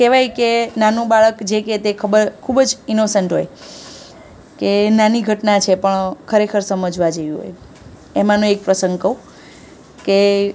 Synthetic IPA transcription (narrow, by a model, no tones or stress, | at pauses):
keʋajkenanũbaɭəkd͡ʒeket̪ekʰəbəɾkʰubd͡ʒinosəɳʈɦoj | kenaniɡʱəʈnat͡ʃʰepəɳkʰəɾekʰəɾsəməd͡ʒʋad͡ʒeʋiɦo̰j | emãnũek̚pɾəsəŋɡkəũ | ke